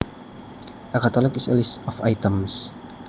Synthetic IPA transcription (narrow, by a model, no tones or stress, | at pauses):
ʔəkat̪ɔlɪkɪsɛ̰lisɔfajt̪əms